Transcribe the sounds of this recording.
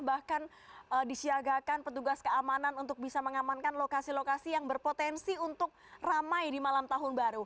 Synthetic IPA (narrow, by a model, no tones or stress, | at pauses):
bahkan | ədisiaɡakanpət̪uɡaskəamananunt̪ʊk̚bisaməŋamankanlokasilokasijaŋbərpot̪ɛnsiunt̪ʊk̚ramajdimalamt̪aɦʊnbaɾu